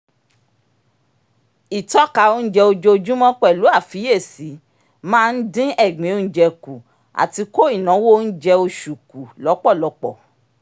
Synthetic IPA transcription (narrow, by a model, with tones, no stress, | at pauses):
i˨tɔ˨˦ka˧˦o˦n̩˦d͡ʒɛ˧o˧d͡ʒo˧o˧d͡ʒũ˦mɔ̃˦k͡pɛ˦˨lu˨˦a˦˨fi˨˦je˦˨si˨˦ | mãː˦˧n̩˦dĩ˦ɛ˦˨ɡ͡bẽ˨˦o˧n̩˦d͡ʒɛ˧ku˨ | a̰˨ti˧ko˦i˦˨nã˨˦wo˦˧n̩˦d͡ʒɛ˧o˧ʃu˨ku˨lɔ˨˦k͡pɔ˦˨lɔ˨˧˦k͡pɔ˨